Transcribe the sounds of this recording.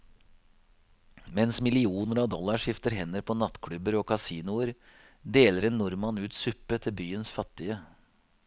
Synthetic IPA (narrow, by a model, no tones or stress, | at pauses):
mɛnsmɪlɪuːnəɾɑːd̪ɔlːɑʂɪft̪əɾɦɛnəɾpʰɔnɑt̪kʰɽʉbəɾoːkʰɑsiːnʊəɾ | d̪eːləɾɛnːʊɾmɑnʉːt̪sʉpːət̪ʰɪlbyːənsfɑt̪ːɪə